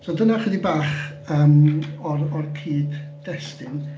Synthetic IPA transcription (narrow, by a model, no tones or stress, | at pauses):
soːdənaχwədibaːχəːmɔrɔrkʰiːpd̥ɛstɨn